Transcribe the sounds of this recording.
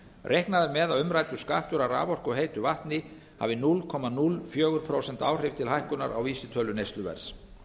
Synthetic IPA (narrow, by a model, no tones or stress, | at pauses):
rʔejhknaðʏɾmɛðawʏmɾajt̪ʏskaːht̪ʏɾawra̰ːvɔr̥kɔɣɦeːjt̪ʏvaht̪nɪ | ha̰vɪnulkʰɔmanulfjœːɣʏɾ̥pʰɾowsɛnt̪aːwr̥ɪv̥t̪ʰɪlhajhkʏna̰ɾa̰wviːsɪt̪ʰœːlʏnejst̪lʏvɛ̰ɾ̥s